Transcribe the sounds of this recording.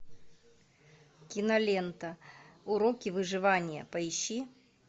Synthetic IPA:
kʲɪnɐlʲent̪əʊɾokʲɪvɨʐɨvanʲɪjə̰pɐɪɕːi

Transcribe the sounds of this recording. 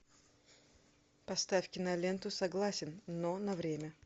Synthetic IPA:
pɐst̪afʲkʲɪnɐlʲent̪ʊsɐɡlˠasʲɪnnonɐvɾʲemʲə

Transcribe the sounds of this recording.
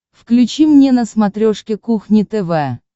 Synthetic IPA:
fklʲʉt͡ɕimnʲenəsmat̪ɾʲoʂkʲɪkuxnʲɪt̪ɛvɛ

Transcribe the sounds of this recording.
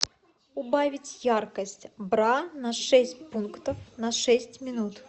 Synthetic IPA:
ʊbavʲɪtʲjarkəsʲtʲbɾanɐʂɛsʲt̚ʲpunkt̪əfnɐʂɛsʲtʲmʲɪnut̪

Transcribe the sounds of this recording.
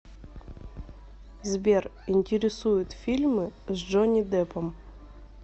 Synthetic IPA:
zbʲerinʲtʲɪɾʲɪsujʊt̪fʲilʲmɨzd͡ʐonʲid̪ɛpəm

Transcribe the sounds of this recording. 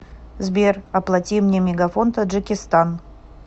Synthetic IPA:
zbʲerɐplˠɐtʲimnʲemʲɪɡafont̪ɐdʐɨkʲɪst̪an

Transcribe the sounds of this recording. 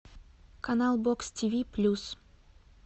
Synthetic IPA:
kɐnalˠbokstʲivʲiplʲus

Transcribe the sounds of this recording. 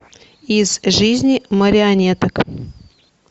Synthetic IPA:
izʐɨzʲnʲiməɾʲɪɐnʲet̪ək

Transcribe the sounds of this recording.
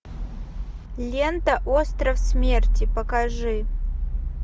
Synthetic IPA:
lʲent̪ɐʔost̪ɾɐfsmʲertʲipɐkɐʐɨ

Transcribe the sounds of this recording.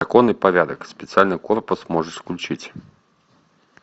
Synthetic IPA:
akɔnɨpaɾʲad̪əkspʲɪt̪sɨalʲnɨkɔrpʊsmɔʐɨsklʲut͡ʃit͡sʲ

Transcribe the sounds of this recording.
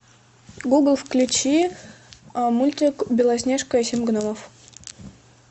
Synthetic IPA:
ɡuɡlˠfklʲʊt͡ɕi | mulʲt̪ʲɪkbʲɪlˠɐs̬ʲnʲeʂkəɐsʲimʲɡnoməf

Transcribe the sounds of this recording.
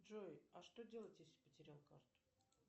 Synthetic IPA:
ʐojaʂt̪o̞dʲe̞lˠətʲjesʲlʲɪ̥pətʲɪɾʲalˠkart̪ʊ̥

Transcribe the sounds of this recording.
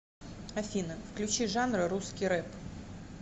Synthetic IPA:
ɐfʲinəfklʲʉt͡ɕiʐanrɨɾuskʲɪjɾɛp

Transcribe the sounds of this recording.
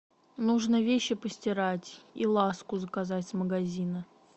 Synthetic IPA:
nuʐnəvʲeɕːɪpəsʲtʲɪɾatʲilˠaskʊzəkazatʲsməɡɐzʲinə

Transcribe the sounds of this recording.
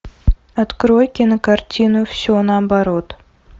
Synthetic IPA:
ɐt̪kɾojkʲinəkartʲinufsʲonɑbɑɾot̪

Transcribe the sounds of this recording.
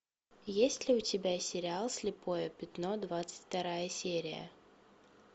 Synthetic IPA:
jesʲtʲlʲɪʊtʲɪbʲasʲɪɾʲɪalˠsʲlʲɪpo̞jəpʲɪt̪no̞d̪vat̪sɨ̥tʲft̪ɐɾajəsʲeɾʲɪjə̰

